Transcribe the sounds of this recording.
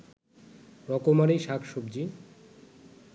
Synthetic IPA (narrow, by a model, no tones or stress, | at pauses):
ɾɔkomaɾiʃakʰʃobd͡ʑi